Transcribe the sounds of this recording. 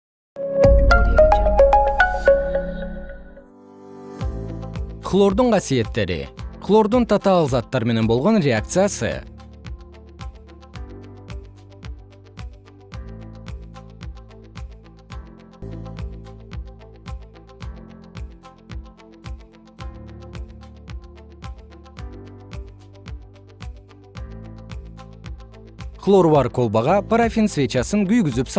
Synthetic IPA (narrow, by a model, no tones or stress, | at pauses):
kʰlˠo̞ɾd̪əɴqʰɑsije̞t̪ːeɾɪ̰kʰlˠo̞ɾd̪əɴt̪ʰat̪ɑlˠzɑt̪ːɑɾme̞nenbo̞lˠʁɑnɾʲe̞ak̚t̪sɨjasə̰ | flˠoɾuwaɾkʰolˠbaʁɑpaɾafʲinsvʲet͡ʃasəŋɡʲʰʏjɡʲʏzɪpsɑ